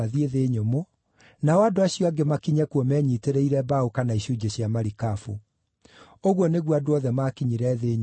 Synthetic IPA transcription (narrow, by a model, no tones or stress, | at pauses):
aðieðeːɲomo | naɔadoaɕijɔaɡemakiɲɛkwɔmɛɲiteɾeiɾɛbaokanaiɕud͡ʑeɕjamaɾikafṵ | oɣwɔneɣwadoɔðɛmakiɲiɾɛðeːɲ